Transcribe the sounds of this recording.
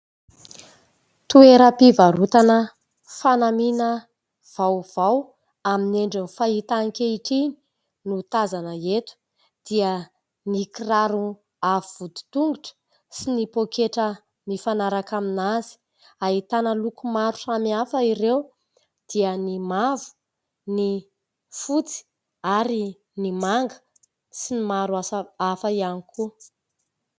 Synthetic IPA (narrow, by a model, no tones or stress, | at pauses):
t̪ueɾəpivaɾut̪anə | fanaminə | v̥awv̥aw | amineɳɖ͡ʐinifait̪aŋkʲeiʈ͡ʂini̥ | nut̪azanəet̪u̥ | d̪̥iə | nikiraɾu | avivud̪u̥t̪uŋɡuʈ͡ʂə̥ | sinipokeʈ͡ʂə | nifanaɾakaminazi̥ | aɦit̪anəlukumaɾu̥samiafəiɾew | d̪̥iənimavu̥ | ni | fut͡si̥ | aɾi | nimaŋɡə̥ | sinimaɾuaafəianikʰu